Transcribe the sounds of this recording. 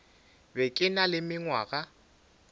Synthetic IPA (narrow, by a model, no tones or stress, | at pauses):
bɛkʼɪnalɪmɪŋwa̰ɣa